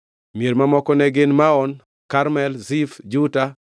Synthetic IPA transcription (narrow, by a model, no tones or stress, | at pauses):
mijeɾmamɔkɔnɛɡɪnmaɔn | kaɾmɛlzifd͡ʒuta